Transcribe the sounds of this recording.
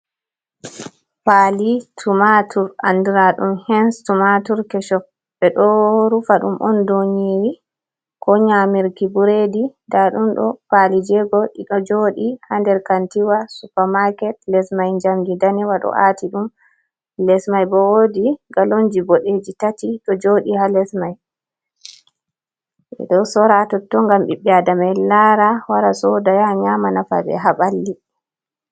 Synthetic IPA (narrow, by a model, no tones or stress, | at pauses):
palitʰumatʰuɾa̰ndiɾaɗumhɛnstumatuɾkɛʃɔk̚ | bɛɗɔoɾufaɗṵmʔɔndoɲiɾi | kɔɲamiɾkibuɾedidaɗumɗɔ̰palid͡ʒɛɡɔɗiɗɔd͡ʒoːɗihandɛɾkantiwasupamakɛtlɛsmajɲd͡ʒamɡidaniwaɗɔ̰ʔatiɗum | lɛsmajbɔwodiɡaloɲd͡ʒibɔɗed͡ʒitatiɗɔd͡ʒoɗihalɛsmaj | ɛ̰ɗɔsɔɾatɔtːɔŋɡamɓiɓːɛadamajlaɾawaɾasɔdajaɲamanafa̰bɛ̰ɦaɓalːi